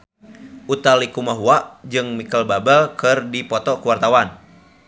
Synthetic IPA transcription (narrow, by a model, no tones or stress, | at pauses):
ʔut̪alikumaɦuaʔd͡ʒɨŋmikəlbabəlkɨrdipɔt̪ɔkuwart̪awan